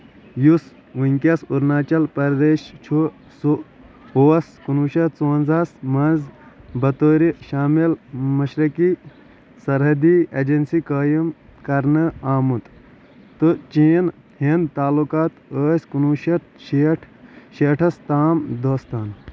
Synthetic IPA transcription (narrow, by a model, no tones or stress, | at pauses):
jus | ʋuŋʲkʲɐsuɾnaːt͡ʃɐlpɐɾd̪eːʃt͡ʃʰu | su | oːɐskunuːʃɐt̪t͡soːnzasmɐnzbɐt̪oːɾiʃaːmilmɐʃɾɐki | sɐɾɦɐd̪ied͡ʒɐnsikəːjumkɐɾnɨaːmut̪ | t̪ɨt͡ʃiːn | hind̪t̪aːlukaːt̪əːsʲkunuʃɐt̪eʈʰ | ʃeːʈʰɐst̪aːmd̪oːst̪aːn